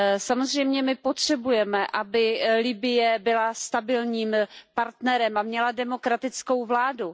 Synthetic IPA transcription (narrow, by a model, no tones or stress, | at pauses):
samo̞zr̝ɛjmɲɛmɪpo̞t̪r̝̥ɛbujɛmɛʔabɪlɪbɪjɛbɪlast̪abɪlɲiːmpaɾt̪nɛɾɛmamɲɛladɛmo̞kɾat̪ɪt͡sko̞wvlaːdu